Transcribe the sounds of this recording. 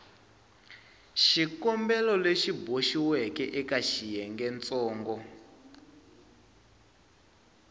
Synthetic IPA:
ʃikɔmbɛlɔleʃiboʃiwɛkɛʔɛkaʃijɛŋɡɛnt͡sɔːŋɡɔ

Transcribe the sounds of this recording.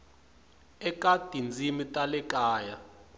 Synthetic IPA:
ɛkʼatind͡zʱimitʼalɛkʼaːja

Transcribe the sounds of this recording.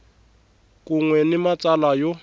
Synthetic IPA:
kʼuŋwɛnɪmat͡sʼalajo

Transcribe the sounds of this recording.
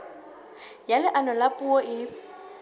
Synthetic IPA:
jalɪʔanɔlapʼuɔʔɪ

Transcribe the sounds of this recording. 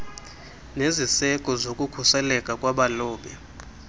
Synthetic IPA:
nezisɛkʼɔzokʼukʰusɛlɛkʼakʼwaɓalɔːɓɛ

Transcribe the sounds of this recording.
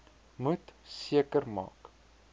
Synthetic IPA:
mutsiəkərmɑ̰ːk

